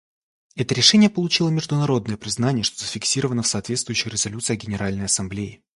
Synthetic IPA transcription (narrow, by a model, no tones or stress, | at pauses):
ɛt̪əɾʲɪʂɛnʲɪjəpəlˠʊt͡ɕilˠəmʲɪʐd̪ʊnɐɾo̞d̪nəjəpɾʲɪznanʲɪjəʂt̪o̞zəfʲɪksʲiɾəvənəfsɐaːt̪vʲet̪st̪vʊjʉɕːɪɾʲɪzɐlʲut̪sɨjəɡʲɪnʲɪɾalʲnəjɐsɐmblʲeɪ